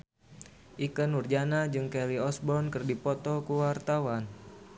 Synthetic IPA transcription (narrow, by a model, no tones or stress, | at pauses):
ʔikənurd͡ʒanad͡ʒɨŋkɛliɔsbɔnkɨrdipɔt̪ɔkuwart̪awan